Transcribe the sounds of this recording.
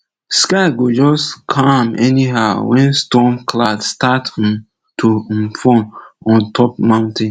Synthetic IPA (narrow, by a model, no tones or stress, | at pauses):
skaɪɡod͡ʒɔskʰãmɛniɦaʊwɛ̃nstɔmkladstat | tʰofɔ̃nɔ̃ntʰɔp̚mãʊ̃ntẽn